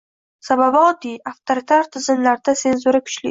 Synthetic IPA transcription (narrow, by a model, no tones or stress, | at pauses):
sababɒd̪iaft̪ʰoɾit̪ʰaɾt̪ʰɪzɪnlaɾd̪ase̞nzuɾakʰʊ̥t͡ʃlɪ̰